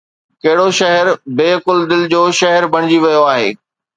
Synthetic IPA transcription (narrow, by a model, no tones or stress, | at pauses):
kɐɦɪɽoʃɐɦɛɾbeːkʊld̪ɪld͡ʑoːʃɐɦəɾbɐɽ̃ɪd͡ʑiʋɐjoaːɦḛː